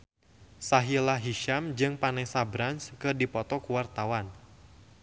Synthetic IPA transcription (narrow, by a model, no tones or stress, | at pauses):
saɦilaɦiʃamd͡ʒɨŋpanɛsabɾanskɨrdipɔt̪ɔkuwart̪awan